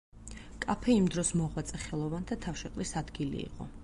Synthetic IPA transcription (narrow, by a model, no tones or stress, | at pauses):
kʼapʰɛimd̪ɾɔsmɔʁwat̪sʼɛχɛlˠɔvant̪ʰat̪ʰafʃɛqʼlisad̪ɡilḭːqʼɔ̰